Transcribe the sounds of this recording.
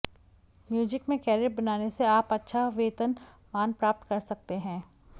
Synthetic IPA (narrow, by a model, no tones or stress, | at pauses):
mjuːd͡ʒɪkmẽkɛːɾɪbɐnaːneseaːpɐtːʃʰaʋeːt̪ən | maːnpɾaːp̚t̪kɐɾsɐk̚t̪eɦɛ̃ː